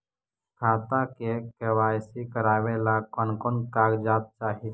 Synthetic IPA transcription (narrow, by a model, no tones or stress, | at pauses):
kʰat̪akekeʋajsikəɾaʋelakɔnkɔnkaɡd͡ʒat̪̚t͡ʃaɦit̪